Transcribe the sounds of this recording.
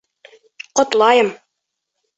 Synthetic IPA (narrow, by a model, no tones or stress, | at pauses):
qŏt̪lˠɑjɤm